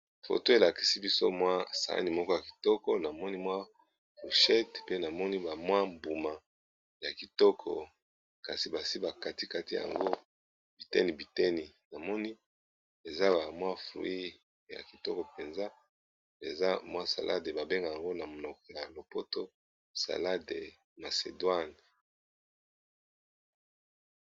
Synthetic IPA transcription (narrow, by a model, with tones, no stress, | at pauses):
fo̰˨to˦e˨la˨ki̥˨si˦bi˦so̰˦mwa˦sa̰˨a̰˦ni˨mɔ˦kɔ˦ja˨ki̥˨tɔ˦kɔ˦na˨mɔ˦ni˦mwa˦ | fu˨ʃɛ˦tpe˦na˨mɔ˦ni˦ba˨mwa˦mbu˨ma˨ | ja˨ki˨tɔ˦kʰɔ̰˨ | ka˨si˨ba˨si˦ba˨ka˨ti˦ka˦ti˦ja̰˨ŋɡo˦ | b̥i˨tɛ̰˦ni˨bi˨tɛ˦ni˨na˨mɔ˦ni˦ | e˨za˦ba˨mwa˦flṵ˨i˦ | ja̰˨ki˨tɔ˦kɔ˨pe˨nza˦ | e˨za˦mwa˦sa̰˨lʔa̰˦de˨ba˨be˦ŋɡa˨ja˨ŋɡo˦na˨mo˨nɔ˨k̚ɔ˨ja˨lo˨po˦to˦ | sa̰˨la˦de˨ | ma˨sḛ˨dwa˦n